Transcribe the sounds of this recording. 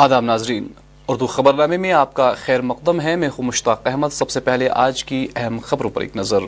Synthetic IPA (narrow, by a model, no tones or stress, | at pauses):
aːd̪aːmnaːzɾiːn | ʊɾd̪uxɐbəɾnaːmemẽaːp̚kaxɛːɾmɐq̚d̪əmɦɛmẽːxumʊʃt̪aːqɛɦmət̪sɐbsepɛɦleʔaːd͡ʒkiɛɦɛmxɐbɾõpɐ̰ɾḛːknɐzəɾ